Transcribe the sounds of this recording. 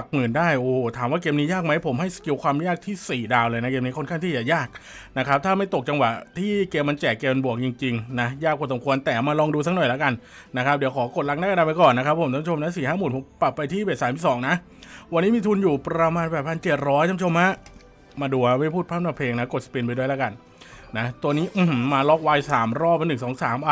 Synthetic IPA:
a˨˩k̚mɯ˩˦ndaː˥˩jʔoː˨˩ht̪ʰaː˨˩˦mwaː˥˩keː˧mniː˦˥jaː˥˩k̚ma˦˥jpʰo˩˦mhɦa˥˩jski˧wkʰwaː˧mjaː˥˩k̚t̪ʰiː˥˩siː˨˩daː˧wlɤː˧jna˦˥keː˧mniː˦˥kʰo˥˩nʰka˥˩ŋt̪ʰiː˥˩jaː˨˩jaː˥˩k̚na˦˥kʰa˦˥p̚t̪ʰaː˥˩ma˥˩jt̪o˨˩k̚t͡ɕa˧ŋwa˨˩t̪ʰiː˥˩keː˧mːa˧nt͡ɕɛː˨˩kːeː˧m˧bu˨˩ək̚t͡ɕi˧ŋt͡ɕi˧ŋna˦˥jaː˥˩kʰːo˧nsa˩˦mkʰu˧ənt̪ɛː˨˩maː˧lɔː˧ŋduː˧s̬a˦˥k̚nɔ˨˩jla˦˥ka˧n | na˦˥kʰa˦˥p̚di˩˦wkʰɔː˩˦ko˨˩t̪̚la˦˥kna˥˩ka˧ndaː˧˩pa˧jkɔː˨˩nːa˦˥kʰa˦˥pʰo˨˩˦mt̪a˦˥˦t͡ɕʰo˧mna˦˥siː˨˩haː˥˩muː˨˩npo˩˦mpla˨˩pːa˧jt̪ʰiː˥˩be˨˩saː˨˦mʰi˨˩sɔː˩˦ŋna˦˥ʔ | wa˧nːiː˦˥miː˧t̪ʰu˧njuː˨˩pɾa˧maː˧nbɛː˨˩pʰa˧nt͡ɕe˨˩t̪̚ɾɔː˦˥jt̪ʰa˧˦˥t͡ɕʰo˧mha˦˥ʔ | maː˧duː˧a˧ma˥˩jpʰuː˥˩t̪̚ʰaː˥˩naː˧˩pʰeː˧ŋna˦˥ko˨˩sḁ˧pi˧np̬a˧du˥˩jla˦˥ka˧n | na˦˥t̪u˧əniː˦˥ʔ̩˨˩mmaː˧lɔ˦˥k̚waː˧jsaː˩˦mɾɔː˥˩p̚a˧nɯ˨˩ŋsɔː˩˦ŋsaː˩˦mʔa˧

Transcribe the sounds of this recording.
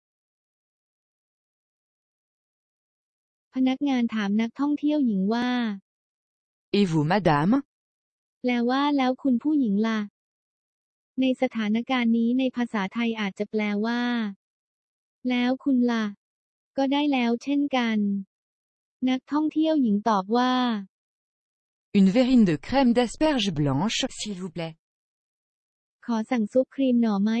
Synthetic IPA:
pʰa˧na˦˥k̚ŋaː˧nt̪ʰaː˩˦mna˦˥k̚t̪ʰɔ˥˩ŋt̪ʰi˥˩əwji˩˦ŋwaː˥˩ | ʔi˧vu˩˦ma˦˥daː˩˦m | plɛː˧waː˥˩lɛː˦˥wkʰu˧npʰuː˥˩ji˩˦ŋla˧˩ | na˧jsa˧t̪ʰaː˩˦na˦˥kaː˧nːiː˦˥na˧jpʰaː˧saː˩˦t̪ʰa˧jʔaː˨˩t̪̚t͡ɕa˨˩plɛː˧waː˥˩ | lɛː˦˥wkʰu˧nla˧ | kɔː˥˩daː˥˩jlɛː˦˥wt͡ɕʰe˥˩nka˧n | na˦˥k̚t̪ʰɔ˥˩ŋt̪ʰi˥˩əwji˩˦ŋt̪ɔː˨˩p̚waː˥˩ | ynveʁind̪əkχɛmd̪ɛspɛʁʒblɑ̃ʃsilvu˧plɛ˧ | kʰɔː˩˦sa˨˩ŋsu˦˥p̚kʰɾiː˧mnɔː˩ma˦˥

